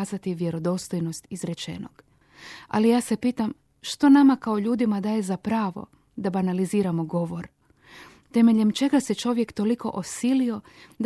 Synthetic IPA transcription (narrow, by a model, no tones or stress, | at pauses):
zat̪iʋje̞ɾo̞d̪o̞st̪o̞jno̞st̪izɾet͡ʃe̞̰no̞̰ɡ̥ | a̰lijaːse̞piːt̪am | ʃt̪o̞namakaoʎuːd̪imad̪aːje̞zapɾaːʋo̞̰ | d̪abanaliziːɾamo̞ɡo̞ʋo̞ɾ | t̪e̞me̞ʎe̞mt͡ʃe̞ɡase̞t͡ʃo̞ʋje̞kt̪o̞liko̞̰ʔosilio̞d̪